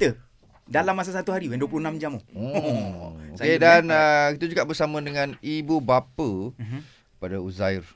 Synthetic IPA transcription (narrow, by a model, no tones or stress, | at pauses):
t̪ə | dalamas̬asat̪uɦaɾiwanduəp̬luhnamd͡ʒamoo | okedanəkit̪əd͡ʒuɡaʔbərsamə̃dəŋãnibubapə | kəpadauzajr